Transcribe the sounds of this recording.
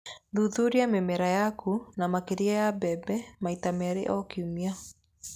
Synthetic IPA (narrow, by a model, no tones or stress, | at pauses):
ðuðuɾiamɛmɛɾajakʰunamakeɾiajabɛbɛmaitamɛɾḛʔɔkiumia